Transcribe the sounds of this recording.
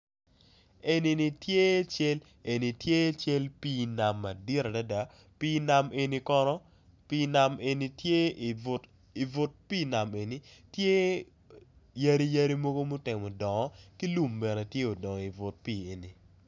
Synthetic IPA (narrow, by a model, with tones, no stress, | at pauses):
e˨ni˨ni˨tje˦t͡ʃe˦l | e˨ni˨tje˦t͡ʃe˦lpiː˦na˨mːa˨di˦ɾa˨da˦da˨ | pi˦na˨me˨ni˦kɔ˦nɔ˦ | pi˦na˨me˨ni˦tje˦˨ʊ˨t | i˨vʊ˨t̚pi˦na˨me˨ni˦tje˦ | ja˦ɾi˦ja˦ɾi˦mo˦ɡo˦mu˦tɛ˨ŋmɔ˨dɔ˨ŋɔ˦ki˦lu˦mbɛ˨nɛ˨tje˦o˨dɔ˨ŋɔ˨i˨vʊ˨t̚piː˨e˨ni˨